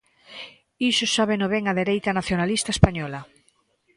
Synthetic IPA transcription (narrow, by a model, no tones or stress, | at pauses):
isʊsaβenoβeŋaðeɾejt̪anaθjonalist̪ae̥spaɲɔla